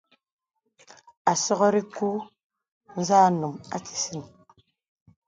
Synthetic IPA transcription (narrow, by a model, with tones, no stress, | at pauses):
a˨sɔ˦ɣɔ˦ɾi˦ku˦ | n̩˦zaː˦˨nu˨ŋa̰˦t͡si̥˨si˦˨n